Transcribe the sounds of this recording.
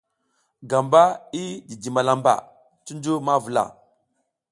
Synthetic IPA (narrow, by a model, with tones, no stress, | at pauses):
ɡa˨mba˦i˦di˨di˨ma˨la˨mba̰˦˨ | tu˦ndu˦ma˦vu˨la̰˨